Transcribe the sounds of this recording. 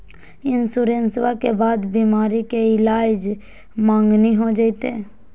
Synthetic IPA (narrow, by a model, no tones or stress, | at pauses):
ɪnsuɾẽnsʋakebaːd̪bimaːɾikeɪlaːd͡ʒ | mãːŋɡniɦod͡ʒaːit̪ḛ